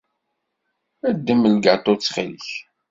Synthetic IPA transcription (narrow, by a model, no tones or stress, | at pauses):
æd̪ːəməlɡɑt̪ˤːot͡sːχiliç